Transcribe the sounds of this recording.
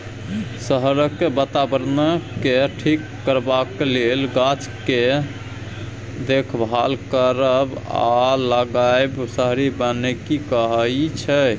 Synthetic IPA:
səɦɾəkːebət̪abəɾnəkeʈʰikːəɾbakːelelɡat͡ʃke | d̪ekʰbʱalkəɾəba̰ləɡajebsəɦɾibənekikəɦəjt͡ʃʰə

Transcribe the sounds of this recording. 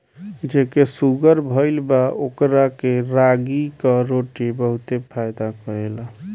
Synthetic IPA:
d͡ʒekesuɡəɾbʱəɪlbaʔokɾakeɾaɡikɔɾoʈibəɦut̪epʰajd̪akəɾela

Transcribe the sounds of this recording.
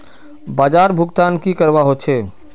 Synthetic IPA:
baːd͡ʒaːɾbʱʊɡt̪aːnkikəɾbaɦot͡ʃʰe

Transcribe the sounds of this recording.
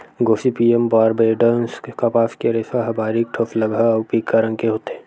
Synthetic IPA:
ɡoːsipiembaːɾbeːɖənskapaːskeɾesaɦɐbaːɾik̚ʈʰofʰlɐɡʱapikːaɾə̃ŋkeɦoːt̪eẽ

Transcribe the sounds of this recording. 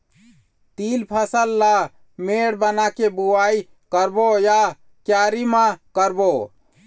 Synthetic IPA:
t̪ilpʰəsəlːa | meɽbənakebuai | kəɾboja | kjaɾimakəɾbo

